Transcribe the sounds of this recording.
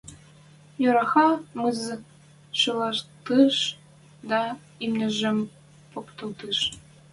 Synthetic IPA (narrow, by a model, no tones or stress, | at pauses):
joɾɑxɑmɯzɤ | ʃɤlɑrt̪ɯʃ | d̪ɑ | imnɘ̆ʒɘ̆m | pokt̪ɤ̆lt̪ɯʃ